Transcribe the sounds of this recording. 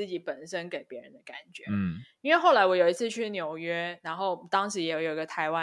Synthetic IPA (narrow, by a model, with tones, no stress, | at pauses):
ɹ̩˥˩t͡ɕi˨˩˥pə˨˩nʂə˦nke˨˩ɪpjɛ˧˥ɻə̰˧˦nd̪ə˧ka̰˨˩nt͡ɕɥɛ˧˦i˥nwe˥˧ɪxo˥˩la˧˥ɪwɔ˧˥jo˨˩ʊi˧t͡s̩ʰ˥˧t͡ɕʰy˥˩njo˨˩ʊɥɛ˥na˧˥nxo˥˩ʊt̪ɑ˥ŋʂɻ̩˧˥jɛ˧˥o˨˧˩jo˨˩ʊi˧ɡə˧t̪ʰa˧˥ɪwa˦˥